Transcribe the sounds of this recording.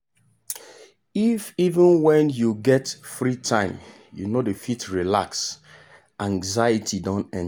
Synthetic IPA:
ifivə̃nwɛ̃njuɡɛtfɹitʰãɪ̃m | jṵnodəfitɹila̰ks | ʔãŋzaɪitʰidɔ̃nɛ̃n

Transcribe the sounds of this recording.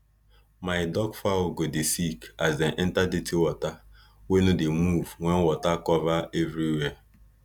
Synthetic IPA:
maɪdɔɡfaɡodɪsikazeʔɛn̩tadetiwɔta | wenudemuvŋʷenwɔtakɔvaevɾiwe

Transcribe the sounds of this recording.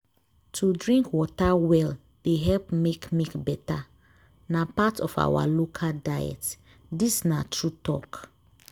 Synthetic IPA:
tʰudɹĩŋkwɔtawɛl | d̥eɦɛlpmekmekbɛta | napatɔfa̰wa̰lokʰadajɛ̰t | disnatʰɹutɔk

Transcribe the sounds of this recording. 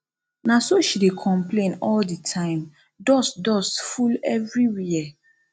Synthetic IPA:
nasoʃidekʰɔ̃mplẽnɔlditʰãɪ̃m | dɔsdɔsfulɛvɹiwiɛ

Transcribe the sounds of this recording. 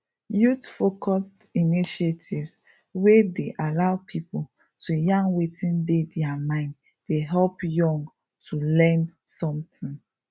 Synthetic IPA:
jutfokʰɔstiniʃetʰivs | wedeʔalaʊpʰipol | tʰujãŋwetĩndedɛamãɪ̃nd | deɦɛlpjɔ̃ŋɡ | tʰulɛ̃nsɔ̃mtĩn

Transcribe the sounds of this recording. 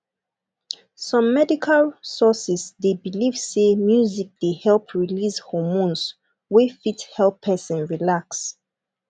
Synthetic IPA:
sɔ̃mːɛdikʰalsɔsisdebiliv̥semjuzik̚d̥ehɛlpʰɹilishɔmõns | wefithɛlˠpʰːɛsɛ̃nɹilaks

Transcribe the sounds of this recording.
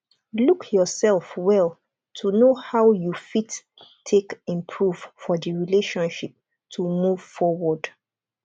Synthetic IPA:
lukʰjɔsɛlˠfwɛl | tʰunohaʊjufitːʰ | ekĩmpʰɹuvfɔðiɹileʃɔ̃nʃip̚ | tʰumuv̥fɔwɔd̥

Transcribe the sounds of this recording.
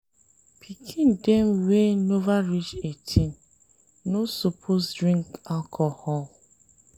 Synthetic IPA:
pʰikʰĩndemwenovaɹit͡ʃetʰin | nosopʰosdɾĩŋkalkʰɔhɔl

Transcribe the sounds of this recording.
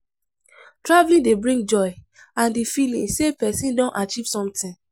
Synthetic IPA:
tɹavlĩndebɹĩŋɡ̚d͡ʒɔɪ | ãndefilḭ̃sepɛsĩndɔ̃nʔat͡ʃiv̥sɔ̃mtĩn

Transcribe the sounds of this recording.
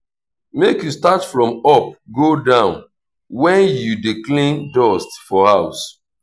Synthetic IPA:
mekjustatfɹɔ̃mɔp̚ɡodãʊ̃n | wɛ̃njudiklĩndɔstfɔhaʊs

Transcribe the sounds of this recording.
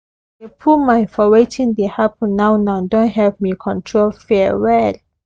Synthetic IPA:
depʰumãnfɔwetĩndehapə̃nːãwnãʊdõntɦɛvmikʰɔ̃ntʰɹolfɛwɛl

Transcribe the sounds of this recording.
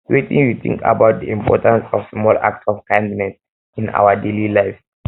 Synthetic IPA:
ɹetḭ̃ŋjut̪ʰḭ̃ŋka̰baʊt̚diĩmpʰɔ̰tãnsɔvsmɔla̰k̚tɔvkãndinɛ̃s | ĩna̰ʊadelilaɪv

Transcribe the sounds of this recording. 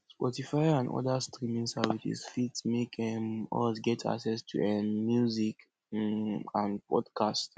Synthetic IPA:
spɔtifaɪãnʔɔ̰dastʰɹĩmĩŋsɛvisḭsfitmekɛ̃mɔsɡɛtʰa̰ksɛstʰṵɛnmjuzik | ãnpʰɔdkʰast

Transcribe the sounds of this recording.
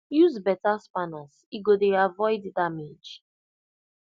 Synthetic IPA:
juzbɛtaspanaz | iɡodeavɔjddamed͡ʒ

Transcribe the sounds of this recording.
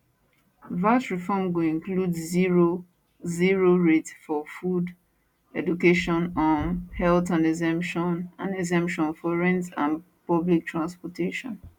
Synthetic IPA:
vasɹifɔmɡuĩŋkludiɹo | ziɹoɹetsfɔfud | ɛdukeʃɔ̃nɔ̃nhɛltãnɛzɛ̃mpʃɔ̃nãnɛzɛ̃mpʃɔ̃nfɔɹɛ̃ntã̰n | pɔblik̚tʰɹãnspɔtʰeʃɔ̰̃n

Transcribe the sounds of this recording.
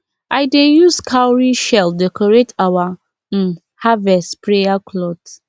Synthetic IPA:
aɪdejuskʰawɾiʃɛldɛkɔɾetawa | n̩ | havɛstpɾejaklɔd

